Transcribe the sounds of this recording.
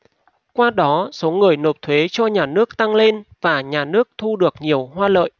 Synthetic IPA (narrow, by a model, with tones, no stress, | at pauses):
kwaː˧ɗɔ˨˦so˨˦ŋɨ˨˩əjno˨˩p̚t̪ʰwe˨˦t͡ɕɔ˧ɲaː˨˩nɨ˦˥ək̚t̪a˧ŋle˧nvaː˨˩ɲaː˨˩nɨ˦˥ək̚t̪ʰu˧ɗɨ˨˩ək̚ɲi˨˩əwɦwaː˧lə̰ː˧˨jʔ